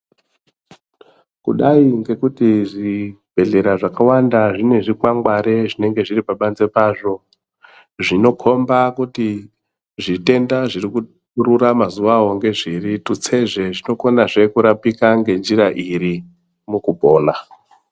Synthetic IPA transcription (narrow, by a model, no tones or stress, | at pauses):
kṵɗaiŋɡe̞kutiʐibʱe̞ɮe̞ɾaʐakawandaʐine̞ʐikwaŋɡwaɾe̞ʐine̞ŋɡe̞ʐiɾipaɓand͡ze̞paːʐo̞ | ʐino̞kʰo̞mbakuti | ʐite̞ndaʐiriku | ururamazuʋaɦo̞ŋɡe̞ʐiɾitut͡se̞ʐe̞ʐino̞ko̞naʐe̞kuɾapikaŋɡe̞nziraʔiri | mukubʱo̞ːna